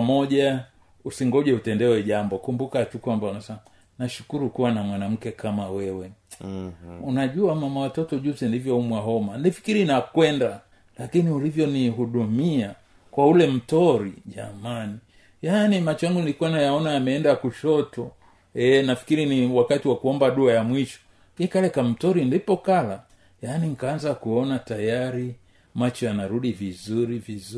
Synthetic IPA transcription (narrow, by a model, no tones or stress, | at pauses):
mɔʄa | usiŋɡɔʄɛutɛndɛwɛʄambɔkumbukatukwambaunasɛ | naʃu̥kuɾukuwanamwanam̩kɛkamawɛwɛ | unaʄuamamawatɔtɔʄuzindivjɔumwaɦɔmanifi̥kiɾinakwɛnda | lakiniulivjɔniɦuɗumia | kwaulɛm̩tɔɾḭʄa̰mani | janimat͡ʃɔjaŋɡunilikuwanajaɔnaamɛɛndakuʃɔtɔ | ɛnafi̥kiɾiniwakatiwakuɔmbaɗuajamwiʃɔ̥ | ikalɛkam̩tɔɾindipɔkala | janiŋ̩kaanzakuɔnatajaɾi | mat͡ʃɔanaɾuɗivizuɾiviz